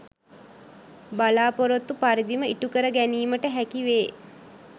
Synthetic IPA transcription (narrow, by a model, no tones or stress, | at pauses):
balaːpoɾot̪ːupaɾid̪iməiʈukəɾəɡæniːməʈəɦækiʋeː